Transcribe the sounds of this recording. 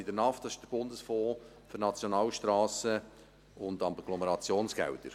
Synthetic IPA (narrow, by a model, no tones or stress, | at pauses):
ɪdəɾnɑftːɑsɪ̥ʃd̥əɾb̥ʊndəsfoː | fʏɾnɑt͡sjonɑːlʃtɾɑːsə | ʊndɑmɡ̥lɔməɾɑt͡sjoːnsɡ̥ɛ̰wd̪əɾ